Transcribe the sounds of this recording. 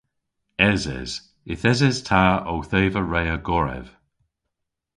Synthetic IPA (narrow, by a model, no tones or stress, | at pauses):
ɛzɛ̰z̥ | ɪθɛzɛz̥tʰaːowθeːvəɹejəɡɔɹɛ̰v̥